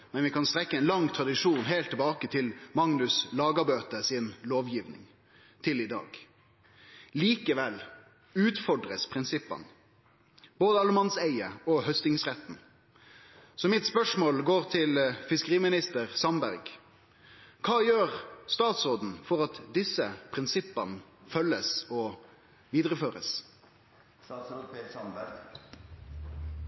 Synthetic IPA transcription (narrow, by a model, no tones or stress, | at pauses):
mɛnʋɪkɑnst̪ɾɛkːəɛɪnlɑŋːt̪ʰʁɑd̪ɪʂuːnɦeɪlt̪ʰːɛbɑːkət̪ʰɪlmɑŋnʉslɑːɡəbøːt̪əsɪnloːʋjiːʋnɪ̰ŋ | t̪ʰɪlɪd̪ɑ̰ːɡ | liːkəʋɛl | ʉːt̪fɔɖʁəspʰʁɪnsɪpːə̰n | boːd̪əɑləmɑnsæɪəɔhœst̪ɪŋsʁɛt̪n̩ | sɔmɪt̪spœʂmoːlɡoːʁt̪ʰɪlfɪskəʁiːmɪnɪst̪əʁsɑnbæɾɡ | kʰɑːjøːɾst̪ɑːt̪sʁoːd̪n̩fɔʁɑt̪d̪ɪsəpʰʁɪnsɪpːənfœlːəsɔ | ʋiːd̪ʁəføːɾə̰s